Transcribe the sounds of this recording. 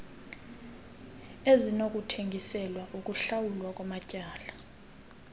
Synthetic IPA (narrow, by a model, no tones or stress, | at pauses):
ezinokʼutʰeŋɡʱisɛlwaʔukʼuɬawulwakʼwamacʼaːla